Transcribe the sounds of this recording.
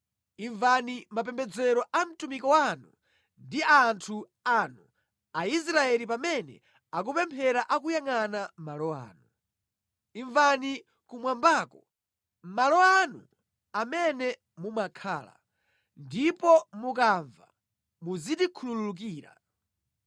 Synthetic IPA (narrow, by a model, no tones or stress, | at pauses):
iɱvanimapɛmbɛd͡zɛɾɔʔam̩tumikɔwanu | ndiantʰu | anu | ais̬ɾaɛlipamɛnɛ̰ | ak̬upɛmpʰɛɾaʔak̬ujaŋanamalɔa̰ːnu | iɱvani | kumwambaːkɔ | malɔanṵ | amɛnɛ | mumakʰa̰ːla̰ | ndipɔmuk̬aɱva̰ | muzitikʰulululuk̬iːɾa̰